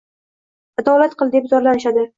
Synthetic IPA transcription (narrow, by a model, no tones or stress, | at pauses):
ad̪ɒlat̪̚qʰɨlˠd̪epzɒɾlanɪʃad̪ɪ